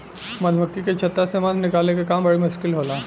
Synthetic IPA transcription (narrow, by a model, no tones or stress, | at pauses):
mɐd̪ʱmɐkːiket͡ʃʰɐt̪ːasemad̪nɪkaːlekakaːmbɐɽimʊʃkɪlɦoːlaː